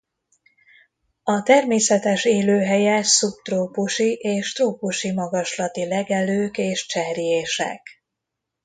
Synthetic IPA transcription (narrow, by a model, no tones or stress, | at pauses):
ɒt̪ɛrmeːsɛt̪ɛʃeːløːɦɛjɛsupt̪roːpuʃiʔeːʃt̪roːpuʃimɒɡɒʃlɒt̪ilɛɡɛløːkeːʃt͡ʃɛɾijeːʃɛ̰k